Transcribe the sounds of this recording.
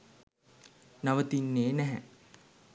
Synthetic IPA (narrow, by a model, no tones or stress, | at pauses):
naʋət̪inːeːnɛɦɛ̰